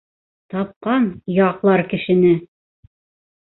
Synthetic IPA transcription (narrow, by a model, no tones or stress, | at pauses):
t̪ɑp̚qɑnjɑqlˠɑɾkɘ̆ʃɘ̆nɘ